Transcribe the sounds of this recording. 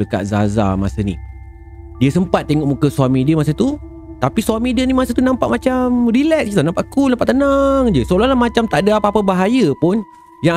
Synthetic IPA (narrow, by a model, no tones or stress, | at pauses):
ləka̰ʔ̪̚za̰za̰ma̰sənḭ | diəsəmpat̪̚ːeŋɔʔmukəsuamĩdiəmasət̪u | t̪apiswamĩdiənimasət̪unãmpaʔmat͡ʃamrilɛk̚sit̪anãmpaʔkunampaʔt̪ənaŋd͡ʒəsolahlahmat͡ʃamt̪aʔadəapapəbaɦajəpʊn | ja